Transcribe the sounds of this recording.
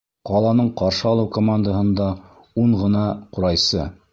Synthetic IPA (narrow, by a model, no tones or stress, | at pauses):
qɑlˠɑnɤɴqɑɾʃɤɑlˠɤwkomand̪əɦɤ̆nd̪ɑ | uɴʁɤ̆nɑquɾɑjsɤ